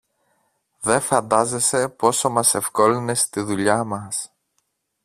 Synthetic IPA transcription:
ðe̞fɐnd̪ɐze̞se̞po̞so̞mɐse̞fko̞line̞st̪iðuʎɐmɐs

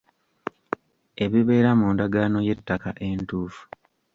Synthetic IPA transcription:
e̞βiβe̞ːɾamuːndaɡaːno̞je̞tːaka̰ʔe̞ntuːfu̥

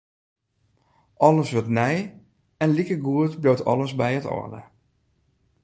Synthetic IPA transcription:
ʔɔləsʋətnɛj | ɛnlikəɡuətblowtɔ̰ləsbɛjətɔ̰də̰

